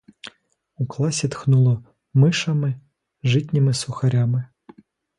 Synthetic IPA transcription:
uklˠɑsʲit̪xnulˠɔ | mɪʃɐmɪ | ʒɪtʲnʲimɪsʊxɐɾʲamɪ

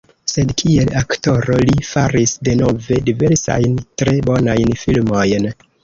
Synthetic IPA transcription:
se̞dkʰie̞lakto̞ɾo̞lifaɾisde̞no̞ve̞dive̞ɾsa̰jntɾe̞bo̞najnfilmo̞jn

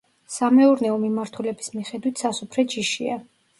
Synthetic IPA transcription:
samɛuɾnɛɔmimaɾt̪ʰulɛbismiχɛd̪wit̪ʰsasupʰɾɛt͡ʃiʃia

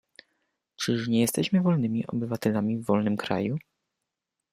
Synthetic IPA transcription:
t͡ʂɘʂɲɛjɛst̪ɛɕmɘvɔlnɘmʲiʔɔ̰bɘvat̪ɛlamʲivːɔlnɘmkɾa̰ju

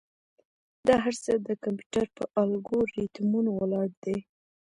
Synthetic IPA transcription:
d̪ɑɦaɾt͡səd̪əkampju̥ʈaɾpə̰ʔɑlɡoɾit̪munowəlɑɽd̪e

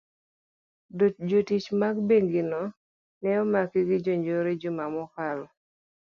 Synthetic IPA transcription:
dod͡ʒotit͡ʃmaɡbeŋɡinɔ | nɛɔmakiɡɪd͡ʒoɲd͡ʒoɾed͡ʒʊmamɔkalɔ

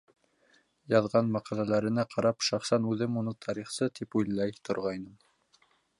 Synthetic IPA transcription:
jɑðʁɑnmɑqɑlælæɾɘ̆næqʰɑɾɑpʃɑχsɑnʉðɘmunɤt̪ʰɑɾiχsɤt̪ipujlˠːɑjt̪ŏɾʁɑjnɤm

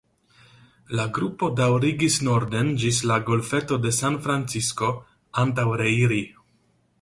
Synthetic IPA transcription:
laɡɾupo̞dawɾiɡisno̞ɾde̞nd͡ʒislaɡo̞lfe̞to̞de̞sanfɾant͡sisko̞ | antawɾe̞iɾi

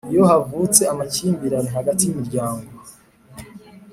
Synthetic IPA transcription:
ijo̞havut͡se̞amat͡ʃiːmbiɾanihaɡatijumiɾɟaːŋɡo

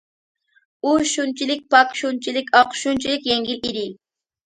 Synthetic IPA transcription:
uʃunt͡ʃilɪk̚ʲpɑkʃunt͡ʃilɪkʲɑqʃunt͡ʃilɪkʲjɛŋɡʲiliɾɪ

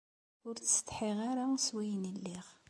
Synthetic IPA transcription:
ʊɾt͡sːəst̪ħiʁaɾaswæjənəlːiʁ

